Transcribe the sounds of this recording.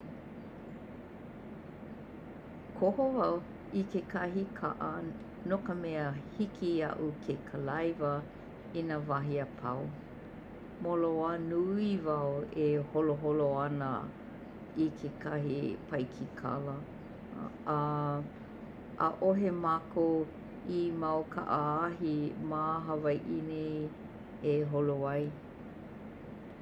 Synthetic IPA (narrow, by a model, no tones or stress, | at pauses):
kʰohovɐw | ikekʰɐɦikʰa̰ʔɐ | nokəmɛəhikʰiɐ̰ʔukʰekʰəlɐjvə | inavaɦiɐpʰɐ̰w | moloanuivaɐweholoɦoloɐnə̰ | ikʰekʰɐɦipʰɐjkʰikʰa̰lə | əʔoɦemako | imawkʰa̰ʔəaɦimaɦɐvajʔinej | eɦoloɐj